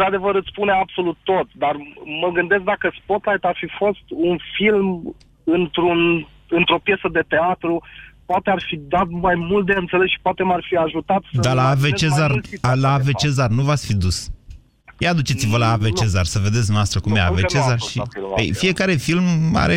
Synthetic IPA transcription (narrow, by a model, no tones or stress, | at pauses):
ɾad̪e̞vəɾɨt̪spuneabso̞lut̪ːo̞t̪d̪arməɡɨnd̪es̬k̚d̪akəspot̪lajt̪arfifo̞st̪unfilm | ɨnt̪ɾun | ɨnt̪ɾo̞pje̞səd̪e̞t̪e̞at̪ɾupoat̪earfid̪at̪̚majmult̪̚d̪e̞ɨnt̪se̞lesʃi̥poat̪e̞marfiaʒut̪at̪səd̪alaːvet͡ʃezarlaːvet͡ʃezarnuvasfid̪us | jad̪ut͡ʃet̪sivəlaːvet͡ʃe̞zarsəve̞d̪et̪sd̪noast̪ɾəkumeavet͡ʃezarʃʃiḛjfije̞kaɾe̞filma̰ɾe